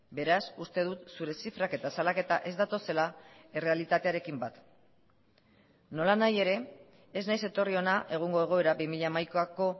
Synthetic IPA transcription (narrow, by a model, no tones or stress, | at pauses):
be̞ɾasust̪e̞ð̞ut̪suɾe̞sifɾake̞t̪asalake̞t̪aʔe̞zd̪at̪o̞se̞lae̞re̞alit̪at̪e̞aɾe̞kimbat̪ | no̞lanaje̞ɾe̞ː | znajse̞t̪o̞rio̞naʔe̞ɣ̞uŋɡo̞e̞ɣ̞o̞e̞ɾabimiʎaːmajkoako̞